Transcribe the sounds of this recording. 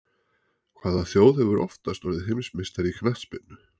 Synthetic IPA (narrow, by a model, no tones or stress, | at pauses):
kʰv̥aːðaθjoːwðhɛvʏɾʔɔ̰ft̪ast̪vɔɾðɪɦemsmɪst̪aɾikʰnaht̪spɪnːʏ